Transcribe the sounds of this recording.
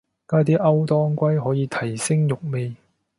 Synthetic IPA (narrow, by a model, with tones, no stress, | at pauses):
kaː˥t̪iː˥ʔɐ˥wt̪ɔː˥ŋkʷɐ˥jɦɔː˨˥jiː˧t̪ʰɐ˨˩jsɪ˥ŋjʊ˨k̚me˨˧j